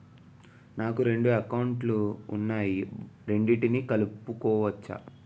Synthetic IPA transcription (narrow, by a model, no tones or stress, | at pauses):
naːkuɾe̞ɳɖuɐkɐwɳʈlṵːnːaːjiɾe̞ɳɖiʈinikɐlupukɔːʋɐt͡ʃːa̰